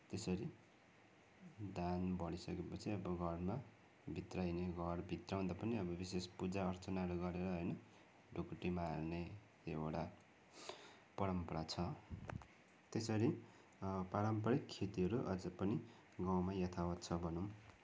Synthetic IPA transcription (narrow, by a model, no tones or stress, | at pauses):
t̪esʌɾi | d̪anbʌɽisʌkepʌt͡sʰiʌbʌɡʱʌrma | bʱit̪rajneɡʱʌrbʱit̪raw̃d̪apʌniʌbʌbisespud͡zaʌrt͡sʌnaɦʌɾuɡʌɾeɾʌɦʌjnʌ | ɖokʈːimarne | eeɽa | pʌɾʌmpʌɾat͡sʰʌ | t̪esʌɾi | paɾʌmpʌɽikkʰːet̪iɦʌɾuʔʌ̰d͡zʌpʌni | ɡawmajʌt̪ʰawʌt̪t͡sʰʌbʱʌnuw